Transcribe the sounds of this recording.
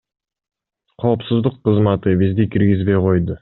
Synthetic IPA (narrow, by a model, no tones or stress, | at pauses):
qʰo̞ːpsuzd̪uqːɯzmɑt̪ɯbizd̪ikʰiɾɡizbe̞jqʰo̞jd̪ʊ